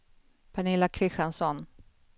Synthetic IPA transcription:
pʰaɳɪlakʰɾɪɧansɔn

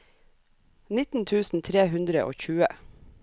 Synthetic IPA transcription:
nɪt̪n̩t̪ʰʉːsn̩t̪ʰɾeːhʉnd̪ɾəʔo̰ːçʉːə

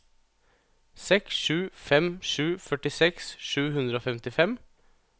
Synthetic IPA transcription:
sɛksʃʉːfɛmʂʉːfœʈɪsɛksʃʉːɦʉnd̪ɾəoːfɛmt̪ɪfɛm

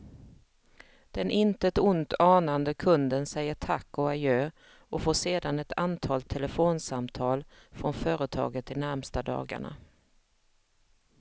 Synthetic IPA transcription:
d̪̥ɛnʔɪnt̪əɛt̪ʊnt̪ɑːnand̪əkʰɵnd̪ənsɛjːəʈʰakːɔajøː | ɔfoːʂeːd̪anɛt̪ʰant̪ʰɑːlt̪ʰːɛləfoːnsamt̪ʰɑːlfɾɔnfœːɾət̪ʰɑ̰ːɡət̪ːɪnæɾmst̪ad̪ɑ̰ːɡa̰ɳa̰

